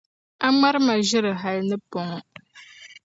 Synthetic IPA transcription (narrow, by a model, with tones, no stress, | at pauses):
a˦ma˦ɾma˨ʒɨ˦ɾɨ˨ɦa˨lnɨ˦pɔ˨ŋ˦